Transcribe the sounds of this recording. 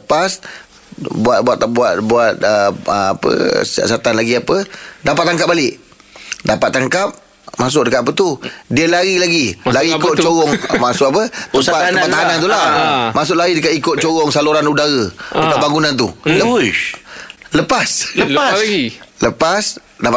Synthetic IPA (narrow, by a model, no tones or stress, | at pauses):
ləpas | buat̪̚buat̪buat̪̚buat̪̚əə̰a̰pə̰ssat̪anlaɡiapədapat̪ːaŋkap̚balɪʔ | dapat̪ːaŋkap̚ | mas̬ʊʔdəkat̪ap̬ət̪udiəlaɾilaɡilaɾiːkʊt̪̚t͡ʃoɾɔŋmasʊkapət̪əpapat̪aanant̪ulamʔas̬ʊʔlaɾidəkaikʊt̪̚t͡ʃoɣɔŋsaluɾanudaɣət̪əpaʔ̚baŋɡunant̪̬ulə | ləpasəsləpas | dapa